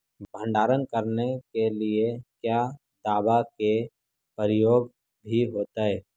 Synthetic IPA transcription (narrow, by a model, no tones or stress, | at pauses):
bʱə̃ɳɖaːɾənkəɾnekeliekjaː | d̪aːbake | pəɾɪjoːɡ | bʱiɦoːt̪aɦɛː